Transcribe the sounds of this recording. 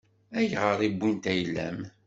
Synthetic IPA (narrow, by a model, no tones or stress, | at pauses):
æjʁəɾˤibʷːint̪æjlːæ̰m